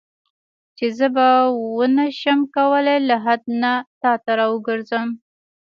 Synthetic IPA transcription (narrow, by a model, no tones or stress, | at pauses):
t͡ʃezəbawənaʃəmkawəlelaɦad̪̚nat̪ɑt̪aɾɑwəɡəɾzəm